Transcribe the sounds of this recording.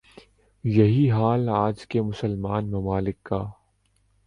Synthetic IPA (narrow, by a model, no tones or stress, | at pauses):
jɐɦiɦaːlaːd͡ʒkemʊsəlmaːnmɐmaːlɪkːaː